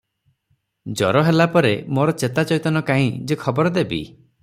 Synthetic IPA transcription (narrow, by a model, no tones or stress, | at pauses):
d͡ʒɔɾɔɦelapɔɾemoɾɔt͡ʃet̪at͡ʃɔjt̪ɔnɔkaɦĩd͡ʒekʰɔbɔɾɔd̪ebḭ